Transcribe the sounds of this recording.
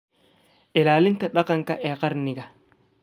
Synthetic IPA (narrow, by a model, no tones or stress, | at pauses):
ʔɪlaːlɪnt̪ɐɗɐqɐŋkɐʔɛqɐɾnɪɡɐ